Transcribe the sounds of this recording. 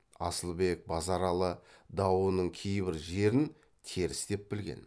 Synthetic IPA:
ɑ̰səlˠbe̞k̚bɑzɑɾɑlˠəd̪ɑwənəɴkʲʰejbɪɾʒe̞ɾɪn | t̪ʰe̞ɾɪsd̪e̞p̚bɪlɡʲe̞̰n

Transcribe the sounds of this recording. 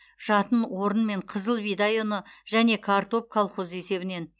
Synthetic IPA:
ʒ̥ɑt̪ənwo̞ɾənme̞ɴqʰəzəlˠbijd̪ajonəʒæne̞kʰart̪o̞p̚kʰalˠχo̞ze̞se̞βɪne̞n

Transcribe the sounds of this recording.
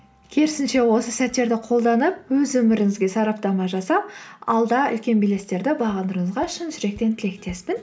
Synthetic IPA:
kʲʰeɾɪsɪnʃe̞wo̞səsæt̪ːe̞ɾd̪ɪqʰo̞lˠd̪ɑnəp̚wɵzwɵmɪɾɪŋɪzɡʲe̞sɑɾɑp̚t̪ɑmɑʒɑsɑpɑ̰lˠd̪ɑʏ̰lkʲe̞nbile̞st̪e̞ɾd̪ɪbɑʁɑnd̪əɾəɴəzʁɑʃɪnʒʏɾe̞k̚t̪e̞nt̪ʰɪle̞kt̪e̞spɪn

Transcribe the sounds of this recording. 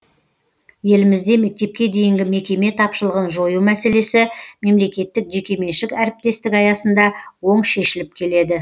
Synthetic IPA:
je̞lɪmɪzd̪e̞me̞k̚t̪e̞p̚kʲe̞d̪e̞jɪŋɡʲɪme̞kʲe̞me̞t̪ʰɑpʃəlˠəʁənʒo̞jumæse̞le̞sɪme̞mle̞kʲe̞t̪ːɪkʒe̞kʲe̞me̞nʃɪkæɾɪp̚t̪e̞st̪ɪkɑjɑsənd̪ɑwo̞ɴʃe̞ʃɪlɪp̚kʲʰe̞le̞d̪ɪ

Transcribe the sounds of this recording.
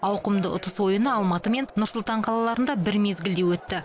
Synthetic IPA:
ɑwqəmd̪əʊ̰t̪əswo̞jənəɑlˠmɑt̪əme̞nnʊɾsʊlˠt̪ɑɴqʰɑlˠɑlˠɑɾənd̪ɑbɪɾme̞zɡʲɪld̪ewɵt̪ːɪ

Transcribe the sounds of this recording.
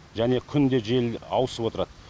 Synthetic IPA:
ʒæne̞kʲʰʏnd̪e̞ʒe̞lɑwəsəpwo̞t̪əɾɑd̪ə

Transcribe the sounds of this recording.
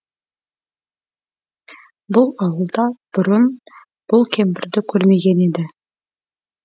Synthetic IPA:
bʊlˠɑwəlˠd̪ɑb̥ʊɾən | b̥ʊlˠkʲʰe̞mbɪɾd̪ɪkʲʰɵɾme̞ɡʲe̞ne̞d̪ɪ

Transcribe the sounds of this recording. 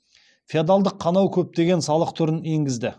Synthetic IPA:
fiad̪alˠd̪əqʰːɑnɑwkʲʰɵp̚t̪e̞ɡʲe̞nsɑlˠəqt̪ʰʊɾəne̞ŋɡʲɪzd̪ɪ

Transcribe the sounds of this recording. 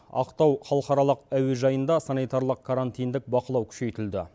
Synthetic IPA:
ɑ̰qt̪ɑwχɑlˠəqɑɾɑlˠəqæwe̞ʒɑjənd̪ɑsanijt̪aɾlˠəq̚kʰaɾant̪ijnd̪ɪk̚bɑqəlˠɑwkʲʰʏ̥ʃe̞jt̪ɪld̪ɪ

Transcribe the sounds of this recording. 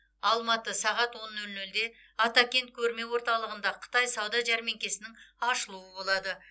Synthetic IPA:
ɑlˠmɑt̪əsɑʁɑt̪wo̞nːɵlnɵld̪e̞ | ɑt̪ɑkʲe̞nt̪̚kʲʰɵɾme̞wo̞ɾt̪ɑlˠəʁənd̪ɑqʰə̥t̪ɑjsɑwd̪ɑʒæɾme̞ŋkʲe̞sɪnɪŋɑʃəlˠuwəbo̞lˠɑd̪ə

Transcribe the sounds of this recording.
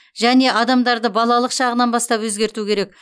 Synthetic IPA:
ʒæne̞ʔɑd̪ɑmd̪ɑɾd̪əbɑlˠɑlˠəqʃɑʁənɑnbɑst̪ɑpwɵzɡʲe̞ɾt̪ukʲʰe̞ɾe̞k̚

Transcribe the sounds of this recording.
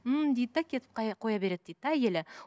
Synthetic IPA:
əmd̪ejd̪̚t̪ːækʲʰe̞t̪ɪp̚qɑqʰo̞jɑbe̞ɾe̞d̪̚d̪ejd̪æjelɪ

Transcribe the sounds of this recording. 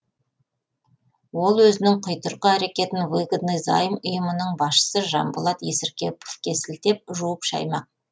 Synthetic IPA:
wo̞lˠwɵzɪnɪŋqʰʊjt̪əɾqəæɾe̞kʲe̞t̪ɪnveɡd̪nizɑ̰jəmʊjəmənəɴbɑsʃə̥səʒɑ̰mbʊlˠɑt̪je̞sɪɾkʲe̞po̥fkʲʰe̞sɪlt̪e̞p̚ʒuwəpʃɑ̰jmɑq̚

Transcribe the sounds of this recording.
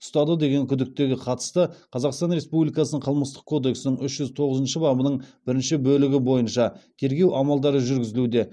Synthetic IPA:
ʊ̥st̪ɑd̪əd̪e̞ɡʲe̞ŋkʲʰʏd̪ɪk̚t̪e̞ɡʲɪqʰɑt̪ə̥st̪əqʰɑzɑqst̪ɑnɾe̞spublʲijkɑsənəɴqʰəlˠməst̪ə̥q̚kʰo̞d̪e̞ksɪnəɴʏʃʒ̥ʏzt̪ʰo̞ʁəzənʃəbɑbənəɴb̥ɪɾɪnʃɪbɵlɪɡʲɪbo̞jənʃɑt̪ʲʰe̞ɾɡʲe̞wʔɑmɑlˠd̪ɑɾəʒʏɾɡʲɪzɪlud̪e̞

